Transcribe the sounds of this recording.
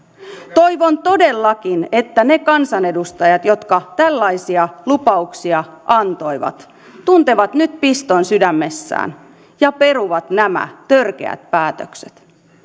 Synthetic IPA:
t̪o̞jʋo̞nt̪o̞delːɑkine̞t̪ːæne̞kɑnsɑne̞dust̪ɑjɑt̪jo̞t̪kɑt̪ælːɑjsiɑlupɑuksiɑʔɑnt̪o̞jʋɑ̰t̪ | t̪ːunt̪e̞ʋɑt̪nyt̪̚pist̪onsydæmːe̞sːæ̰ːn | jɑpe̞ɾuʋɑt̪næmæ̰t̪ørk̟e̞̰æ̰t̪̚pæːt̪økse̥t̪

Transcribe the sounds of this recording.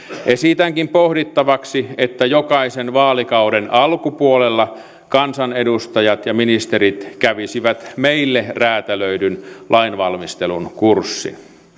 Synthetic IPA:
ʔesit̪æŋkimpohdit̪ːɑʋɑksiet̪ːæjokɑisenʋɑːlikɑudenɑlkupuolelːɑ | kɑnsɑnedust̪ɑjɑt̪jɑminist̪eɾit̪kæʋisiʋæt̪meilːeræːt̪æløydynlʔɑinʋɑlmist̪elunkursːḭ

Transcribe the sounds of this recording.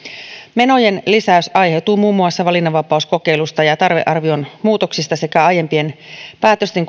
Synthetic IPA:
me̞no̞je̞nlisæysʔɑjɦet̪uːmuːmːuɑsːɑʋɑlinːɑʋɑpɑusko̞ke̞jlust̪ɑjɑt̪ɑrʋeʔɑrʋio̞nmuːt̪o̞ksist̪ɑse̞kæɑje̞mpie̞npæːt̪øst̪eŋk

